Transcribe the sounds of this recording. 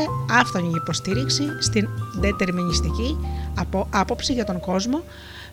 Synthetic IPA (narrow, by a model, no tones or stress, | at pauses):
eɐft̪oɲiipo̞st̪iɾiksist̪ind̪et̪e̞ɾminist̪iciɐoɐpo̞psiʝɐt̪o̞ŋɡo̞zmo̞